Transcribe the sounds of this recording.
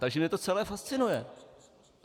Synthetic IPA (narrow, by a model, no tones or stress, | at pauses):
t̪aɡʒɛmɲɛt̪ot͡sɛlɛːfast̪t͡sɪnujɛ